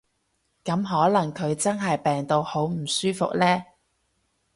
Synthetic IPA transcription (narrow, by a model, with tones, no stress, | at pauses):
kɐ˨˥mɦɔː˨˥lɐ˨˩ŋkʰɵ˨˧ɥt͡sɐ˥nɦɐ˨jpɛː˨ŋt̪o˨˧who˨˥wm̩˨˩syː˥fʊ˨k̚lɛː˥